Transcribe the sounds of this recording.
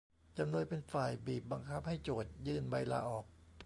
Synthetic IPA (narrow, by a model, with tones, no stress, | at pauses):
t͡ɕa˧mnu˧npe˧nfaː˨˩jbiː˨˩p̚ba˧ŋkʰa˦˥p̚ha˥˩jt͡ɕoː˨˩t̪̚jɯː˧nba˧jla̰ː˧ʔɔː˨˩k̚